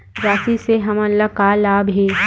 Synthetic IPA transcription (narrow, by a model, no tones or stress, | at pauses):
ɾaːsiseɦɐmɐlːakaːlaːbɦeː